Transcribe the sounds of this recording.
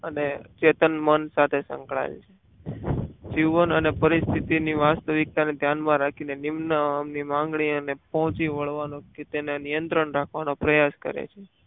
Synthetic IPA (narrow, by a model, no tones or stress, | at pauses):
ənet͡ʃet̪ənmənsat̪ʰesə̰̃ŋkɭa̰ḛlt͡ʃʰe̥ | d͡ʒiʋənənepəɾist̪ʰit̪iniʋast̪əʋik̚t̪aned̪ʱjanmãɾakʰinenimnəmnimãŋɡɳionepɔɦʊ̃t͡ʃiʋəɭʋanõket̪enanijənt̪ɾəɳɾakʰʋanopɾəjaskə̰ɾḛt͡ʃʰe